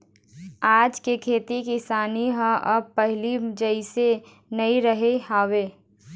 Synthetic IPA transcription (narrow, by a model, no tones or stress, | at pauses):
aːd͡ʒkekʰeːt̪ikisaːniɦə̃ʔəb̚pəɦlid͡ʒəise | nəiɾəɦeɦaːweː